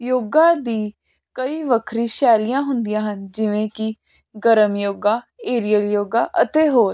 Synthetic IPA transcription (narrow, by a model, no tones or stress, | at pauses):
joːɡãːd̪iː | kəiːʋəkʰɾiːʃɛːlɪjãːɦʊnd̪ijãːɦənd͡ʒɪʋẽːkɪ | ɡəɾəmjoːɡaː | eːɾijəljoːɡaːʔət̪eːɦoːɾ